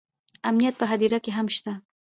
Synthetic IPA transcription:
amnijat̪̚pəɦad̪iɾakeɦamʃt̪a

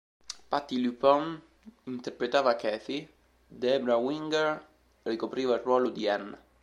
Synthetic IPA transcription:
pat̪ːilypɔn | int̪erpɾet̪aːvakɛːfi | d̪ɛbɾawiŋɡɛr | rikopɾiːvailrwɔːlod̪iɛn

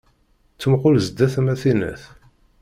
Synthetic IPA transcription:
t͡sːəmqʊlzd̪æθmæθinə̰θ

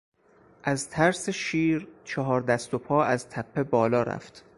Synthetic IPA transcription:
ʔæzt̪ʰæɾseʃiːɾt͡ʃʰɒɦɒːɾd̪æst̪opʰɒːæzt̪ʰæpʰːe̞bɒːlɒːɾæ̰ft̪

